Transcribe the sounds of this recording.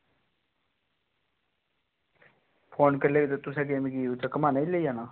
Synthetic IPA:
pʰoːnkəɾleːɡet̪̬ot̪ʊsɛ̃ɡeːmiɡiut̪akəmaːnaileiːaːnaː

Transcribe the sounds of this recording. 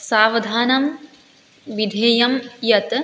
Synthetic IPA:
saːʋɐd̪ʱaːnɐm | ʋid̪ʱeːjɐmjɐt̪

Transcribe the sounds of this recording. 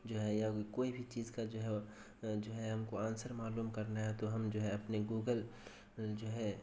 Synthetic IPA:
d͡ʒoːɦɛjakoːibʱit͡ʃiːzkad͡ʒoːɦɛ | d͡ʒoːɦɛɦɐmkoãːnsəɾmaːluːmkɐɾnaɦɛt̪oɦɐmd͡ʒoːɦɛɐpneɡuːɡəl | d͡ʒoːɦɛ

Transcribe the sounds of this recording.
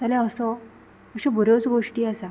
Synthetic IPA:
t̪alaəsɔ | əɕɔbʱuɾot͡sɡoʂʈiːasa

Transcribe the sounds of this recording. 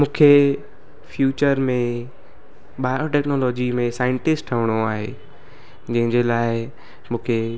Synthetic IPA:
mũːkʰe | fjuːt͡ɕəɾmẽ | ɓaːɪoʈɛːknɔːlɔːd͡ʑimẽsaːɪ̃ɳʈɪsʈʰəʋəɽ̃oaːɦḛː | d͡ʑɐ̃ɦɪ̃ɲd͡ʑelaːɪ | mũːkʰe

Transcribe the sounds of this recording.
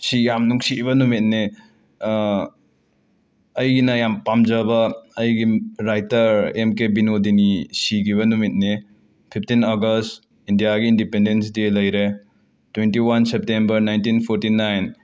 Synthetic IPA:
sijamnuŋsiβɐnumit̚ne | ɐjɡinɐjampamd͡ʒɐbɐːjɡiɾajtɐɾemkebinodinisiɡiβɐnumit̚ne | pʰipʰtinɐɡɐst | indijaɡiːndipendensdilɐjɾe | twentiwansep̚tembɐɾnajntinpʰoɾtinajn

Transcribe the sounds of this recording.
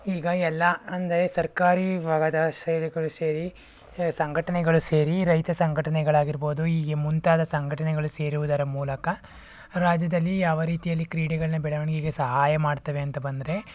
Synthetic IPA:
iːɡɐɛlːɐɐnd̪ɐɾe̞sɐɾkaːɾiʋaːɡɐd̪ɐʃɐjliɡɐɭuseːɾi | sɐŋɡʱɐʈɐnɛɡɐɭuse̞ːɾiɾɐjt̪ɐsɐŋɡʱɐʈɐnɛɡɐɭaːɡiɾbo̞ːd̪uiːɡemunt̪aːd̪ɐsɐŋɡʱɐʈɐnɛɡɐɭuse̞ːɾuʋud̪ɐɾɐmuːlɐkɐ | ɾaːd͡ʒjɐd̪ɐlːijaːʋɐɾiːt̪ijɐlːikɾiːɽɛɡɐɭɐnːɐbɛɭɐʋɐɳɐɡiːɡesɐɦaːjɐmaːɖt̪ɐʋe̞ɐnt̪ɐbɐnd̪ɐɾe̞

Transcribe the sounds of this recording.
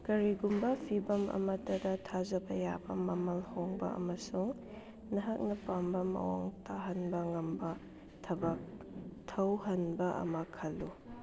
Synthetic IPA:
kɐɾiɡumbɐpʰibɐmʔɐ̰mɐtːɐdɐtʰazɐbɐja̰bɐ̰mɐmɐlhoŋbɐ̰ɐ̰mɐsuŋ | nɐɦɐk̚nɐpambɐmɐ̰wa̰ŋtʰaɦɐnbɐŋɐmbɐ | tʰɐbɐktʰɐwhɐnbɐʔɐ̰mɐkʰɐlːu

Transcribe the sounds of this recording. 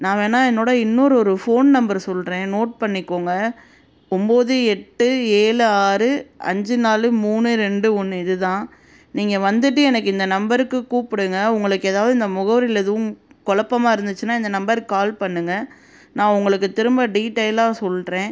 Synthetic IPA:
nãːʋeːnaːɛnːoːɽɐɪnːoːɾɯɔɾɯfoːnnɐmbɐɾsɔlːɾẽːnoːʈ̚pɐɳːɪkːoːŋɡɐ | ʊmboːðɯɛʈːɯeːɭɯaːɾɯɐ̰ɲd͡ʒɯnaːlɯmuːnɯɾɛɳɖɯɔnːɯɪðɯt̪ãː | niːŋɡɐʋɐnd̪ɯʈ̬ːɯɛnɐkːɪnd̪ɐnɐmbɐɾɯkːɯkːuːpɪɽɯŋɡɐʊŋɡɐɭɯkːeːðaːʋɐðɯɪnd̪ɐmʊɣɐʋɐɾɪlɛðɯʋʊ̃kɔɭɐpːɐmaːɪɾɯnd̪ɯt͡ʃːɯnːaːɪnd̪ɐnɐmbɐɾkɯaːlpɐɳːɯŋɡɐ | nãːʊŋɡɐɭɯk̬ːɯt̪ɪɾɯmbaɖiːʈːɐɪlaːsɔlːɾẽː

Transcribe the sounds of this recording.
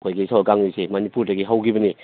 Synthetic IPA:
kʰojɡisawkaŋisemɐnipuɾdɐɡiɦawkibɐni

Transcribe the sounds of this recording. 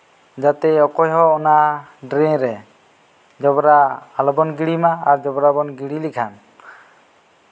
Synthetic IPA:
d͡ʒat̪ɛɔkɔjɦɔːnaɖɾeɾɛ | d͡ʒɔbɔɾaːlɔbɔnɡiɽimaːɾd͡ʒɔbɔɾabɔnɡiɽilikʰan

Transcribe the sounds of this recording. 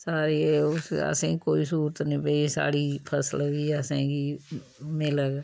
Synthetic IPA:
saːɾiːsə̰sẽːkoːiːsuːɾət̪nĩːbəisa̰ːɽiːpʰəsəlɡiːəsãːɡiːmɪləɡ

